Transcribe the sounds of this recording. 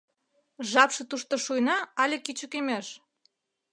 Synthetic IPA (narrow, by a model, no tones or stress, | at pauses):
ʒɑpʃɤ̆t̪uʃt̪ŏʃujnɑɑlʲekit͡ɕə̆kemeʃ